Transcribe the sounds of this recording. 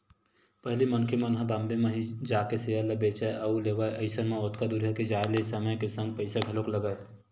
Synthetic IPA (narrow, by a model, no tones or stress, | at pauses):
pəɦlimənkʰemənɦãbãmbemẽɦid͡ʒaːkeseəlebeːt͡ʃaʔəuleːʋaʔəɪsənmẽot̪kad̪uɾjəked͡ʒaːelesəməjkesə̃ŋɡ̚pəɪsaɡʱəlokləɡaj